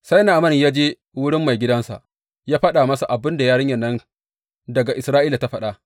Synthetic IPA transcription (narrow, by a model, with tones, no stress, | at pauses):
sa˦jna˨mɐ˦˨njaː˦d͡ʒeː˦ | wʊ˦ɽɪ˦mːa˨jɡʲɪ˦dɐ˦nsa̰˨ʔ | jaː˦ɸɐ˦ɗa˨mɐ˦sa˨ʔa˨bɪ˦nda˨jaː˦ɽɪ˦ɲjɐ˨nːɐ˦n | dɐ˨ɡa˨ʔɪ˨sɾaː˦ʔiː˦la˨ta˦ɸɐ˦ɗa˦